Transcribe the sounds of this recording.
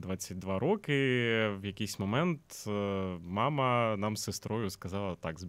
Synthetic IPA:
d̪ʋat͡sʲːɐt̚ʲd̪ʋaɾɔkɪʋjɐkʲijsʲmɐmɛnt̪ | mɑmɐnɑmsɪst̪ɾɔjʊskɐzɑlˠɐt̪aɡz

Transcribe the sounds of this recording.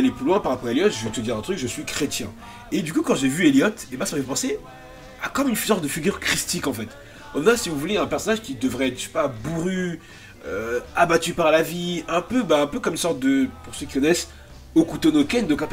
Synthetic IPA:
leplylwɛ̃paʁapɔʁaeljɔt̪ʒət̪əd̪iʁɛ̃t̪χykʒəsɥikχet̪jɛ̰̃ | ed̪ykukɑ̃ʒevyeljɔt̪ebɛ̃samfɛɛpɑ̃se | akɔmynsɔʁt̪̚d̪əfiɡʲyʁkχist̪ikɑ̃fɛt̪ | ɔnɛ̃sivuvuleɛ̃pɛʁsɔnaʒkʲid̪əvʁɛɛt̪ʃɛ̥pabuʁy | øabat̪ypaʁlaviɛ̃pøbɛɛ̃pøkɔmynsɔʁt̪̚d̪əpuʁsøkʲi̥kɔnɛs | okut̪onokɛnd̪ɔkap

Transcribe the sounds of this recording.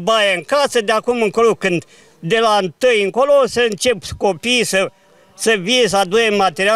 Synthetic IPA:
bajeɨŋkasəd̪eakumɨŋkolokɨnd̪ | d̪elaɨnt̪ɨjɨŋkolosəɨnt͡ʃe̞pkopiːsə | səvines̬əad̪ojemat̪eɾia

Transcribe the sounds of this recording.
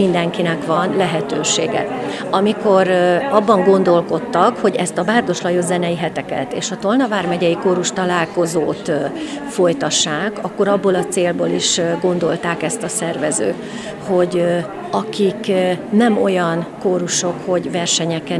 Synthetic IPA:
ind̪ɛŋkinɛkʋɒnlɛɦɛt̪øːʃeːɡɛ̰ | ɒmiko̞ɾɒbːɒŋɡo̞n̪d̪o̞lko̞t̪ːɒkho̞ɟɛst̪ɒbaːrd̪o̞ʃlɒjozɛnɛjiɦɛt̪ɛkɛ̰t̪ḛːʃɒt̪o̞lnɒvaːrmɛɟɛjikoːɾuʃt̪ɒlaːlko̞zoːt̪ | fo̞jt̪ɒʃːaːkɒkːo̞ɾɒbːolɒt̪seːlbo̰ːliʃɡo̞n̪d̪o̞lt̪aːkɛst̪ɒsɛrvɛzø̰ː | ho̞ɟ | ɒkiknɛmo̞jɒnkoːɾuʃo̞kho̞ɟvɛrʃɛɲɛkɛ

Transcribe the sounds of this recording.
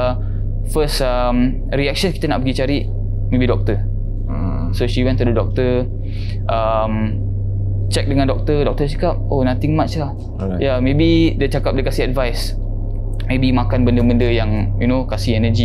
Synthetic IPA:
fəsəm | ɾiɛk̚ʃənki̥t̪anaʔpəɡit͡ʃaɾiʔ | mẽbidɔk̚t̪ə | ə̰ | soʃiwɛ̃nt̪ələdɔk̚t̪ə | ʔəm | t͡ʃɛk̚dəŋãndɔk̚t̪ədɔk̚t̪ət͡ʃḁkap̚onãt̪iŋmat͡ʃlah | jamebidət͡ʃakap̚dəkasiadvajs | mebimakanbəndəbəndəjaŋjunokasiɛnəd͡ʒi

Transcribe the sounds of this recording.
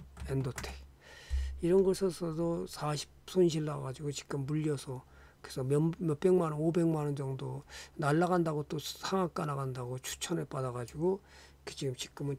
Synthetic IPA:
endotʰe̥k̚ | iɾʌnɡʌsʰʌsʰʌdosʰaɕʰi̥psʰonɕ̬ʰilːaɡad͡ʑiɡot͡ɕi̥k̚k͈ɯmbuʎːʌsʰʌ | kɯɾesʰʌmmjʌp͈e̞ŋmanɯnobe̞ŋmanɯnd͡ʑʌŋdonaɭːaɣandaɣot͈osʰaŋak͈anaɣandaɡot͡ɕʰu̥t͡ɕʰʌnɯɭp͈adaɣad͡ʑuɡo | kʰet͡ɕiɡɯmt͡ɕi̥k̚k͈ɯmɯn

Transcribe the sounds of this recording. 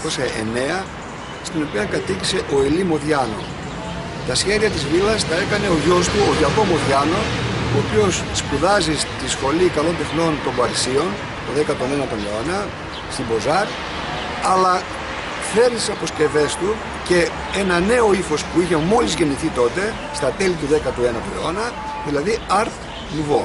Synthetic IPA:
ko̞sɐe̞̰ne̞ɐ | st̪ino̞piɐŋkɐt̪icise̞ʔo̞ilimo̞ðʝɐno̞̰ | t̪ɐsçe̞ðiɐt̪izvilɐst̪ɐe̞kɐne̞oʝo̞st̪uoðɐkomoðʝɐno̞op̪jo̞sːkuðɐzist̪isxo̞likɐlo̞nt̪e̞xno̞nt̪o̞mbɐɾisio̞n | t̪oðekɐt̪o̞ne̞nɐt̪o̞neonɐ | st̪imbo̞zɐɾ | ɐlɐ | θe̞ɾnissɐpo̞sce̞ve̞st̪u | ce̞ | enɐne̞o̞ifo̞spuiçe̞mo̞lizʝe̞niθit̪o̞t̪e̞ | st̪ɐt̪e̞lit̪uðe̞kɐt̪ue̞nɐt̪oleo̞nɐ | ðilɐðiɐɾθ | nivo̞

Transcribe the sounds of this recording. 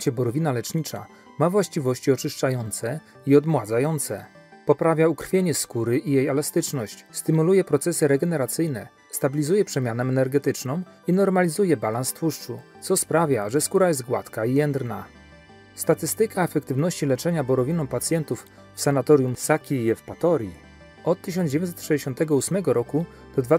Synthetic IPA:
t͡ɕɛbɔɾɔvʲinalɛt͡ʂɲit͡ʂa̰ | mavwaɕt͡ɕivɔɕt͡ɕiɔt͡ʂɘʂt͡ʂajɔnt̪sɛ | iɔd̪mwad̪zajɔnt̪sɛ | pɔpɾavʲjaukɾ̥fʲjeɲɛskuɾɘʔijejɛlast̪ɘt͡ʂnɔɕt͡ɕst̪ɘmulujɛpɾɔt̪sɛsɘɾɛɡɛnɛɾat̪sɘjnɛ̰ | st̪abʲilʲizujɛpʂɛmʲjanɛɛnɛɾɡɛt̪ɘt͡ʂnɔ̃w̃ | inɔɾmalʲizujɛbalanst̪fuʂt͡ʂut̪sɔspɾavʲjaʐɛskuɾajɛzt̪̚ɡwa̰t̪kaijɛnd̪ɾna | st̪at̪ɘst̪ɘkaɛfɛkt̪ɘvnɔɕt͡ɕilɛt͡ʂɛɲabɔɾɔvʲinɔ̃w̃pat̪sʲjɛnt̪uf | fsanat̪ɔɾjumsakʲijɛfpat̪ɔɾʲji | ɔt̪tːɘɕ̬ɔnd͡ʑevjɔmʲsɛt̪ʂɛjd͡ʑeɕɔ̃nt̪ɛɡɔusmɛɡɔɾɔku | pɔd̪va

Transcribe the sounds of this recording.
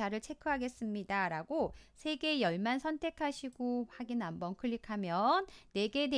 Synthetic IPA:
aɾɯɭt͡ɕʰe̞kʰuɦaɡe̞s͈ɯmɲidaɾaɡosʰe̞ɡe̞jʌɭmansʰʌntʰe̞kʰaɕʰiɡohaɡinambʌnkʰɯɭːikʰamjʌnːe̞ɡe̞ne

